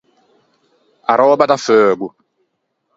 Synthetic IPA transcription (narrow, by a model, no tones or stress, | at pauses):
aɾɔːɓataføːɡu